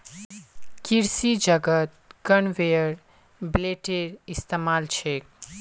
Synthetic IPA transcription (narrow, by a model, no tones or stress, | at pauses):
kiɾsid͡ʒəɡət̪̚kənʋejəɾ | bleʈeɾist̪emalt͡ʃʰek